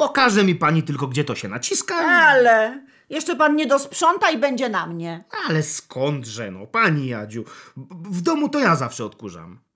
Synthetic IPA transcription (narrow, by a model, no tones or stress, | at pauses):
pɔkaʐɛmʲipaɲit̪ɘlkɔɡd͡ʑɛt̪ɔɕɛnat͡ɕiskaalɛ | jɛʂt͡ʂɛpanɲɛd̪ɔspʂɔnt̪aibɛɲd͡ʑɛnamɲɛalɛskʰɔnd̪ʐɛnɔ̰paɲijad͡ʑu | vd̪ɔmut̪ɔjazafʂɛɔt̪kuʐa̰m